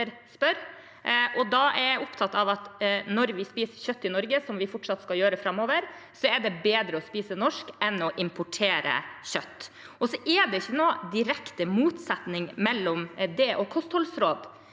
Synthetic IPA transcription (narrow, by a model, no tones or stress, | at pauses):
ɾ | spœɾ | ʔɔd̪ɑɛɾʊpt̪ʰɑt̪ːɑʋɑt̪nɔɾʋɪspiːsəçœt̪ːɪnɔɾɡəsɔmʋɪfɔʈʂɑt̪skɑljøːɾəfɾɑmːoːʋəɾsɔɛɖɛbeːd̪ɾəɔspiːsənɔʂkɛnɔʔɪmpʰʊʈʰeːɾə̰çœt̪ː | ɔsɔʔɛɖɛɪçːənoːd̪ɪɾɛkt̪əmuːt̪sɛt̪nɪŋmɛlːɔmd̪ɛʔɔkʰɔst̪hɔlsɾoːd̪